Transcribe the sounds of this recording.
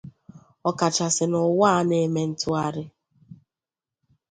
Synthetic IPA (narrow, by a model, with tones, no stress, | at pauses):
ɔ˨ka˨t͡ʃa˨sɪ˨nʊ˨wa˦ne˨˦me˦n̩˦tʊ˦a˦ɾɪ˦